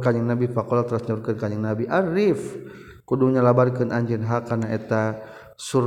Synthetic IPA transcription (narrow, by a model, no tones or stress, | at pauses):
kaɲɪŋnabipakɔlat̪ɾasɲaurkənkaɲɪŋnabiʔaɾif | kuduŋɲalabarkənaɲd͡ʒɛnɦakanaɛt̪a | suɾ